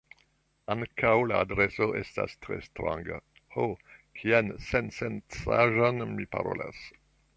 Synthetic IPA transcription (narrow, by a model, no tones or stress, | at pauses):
aŋkʰawlaːdɾesoʔesta̰stɾḛstɾãŋɡa̰ | hokʰiansensent͡saʒonmipa̰ɾola̰s